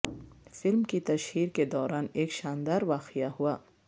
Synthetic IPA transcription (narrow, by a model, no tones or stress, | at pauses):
fɪlmkit̪ɐʃhiːɾked̪ɔːɾaːneːkʃaːnd̪aːɾʋaːqɪjahuaː